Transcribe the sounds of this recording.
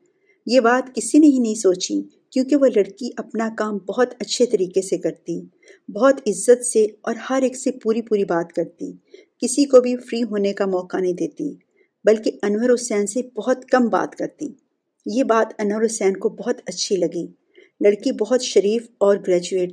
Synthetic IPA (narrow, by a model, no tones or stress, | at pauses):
jeːbaːt̪kɪsineɦĩnɐɦĩsoːt͡ʃḭ | kjõːkeʋolɐɽkiʔɐpnakaːmbɐɦʊt̪ɐtːʃʰet̪ɐɾiːkesekɐɾt̪i | bɐɦʊt̪ɪzːət̪seɔːɾhɐɾeːksepuːɾipuːɾibaːt̪kɐɾt̪ḭːkɪsikobʱifɾiːɦoːnekamɔːkanɐɦĩd̪eːt̪i | bɐlkeʔɐnwəɾoːsɛːnsebɐɦʊt̪kɐmba̰ːt̪kɐɾt̪iː | jebaːt̪ɐnwəɾoːsɛːnkobɐɦʊt̪ɐtːʃʰilɐɡi | lɐɽkibɐɦʊt̪ʃɐɾiːfɔːɾɡɾɛːd͡ʒueːʈ